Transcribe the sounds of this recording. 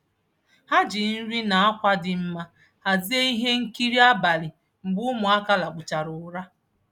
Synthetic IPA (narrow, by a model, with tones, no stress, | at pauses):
ha˦d͡ʒi˨n̩˦ɾi˦na˨a˦kʷa˦dɪ˨m̩˦ma˦ | a˨zi˦e˦i˦ɦe˦ŋ̩˦ki˦ɾi˦a˦ba˨lɪ˨ | m̩˨ɡ͡bʊ˦mʊ˨a˦ka˦la˨k͡pʊ˨t͡ʃa˨ɾʊ˨ɾa˦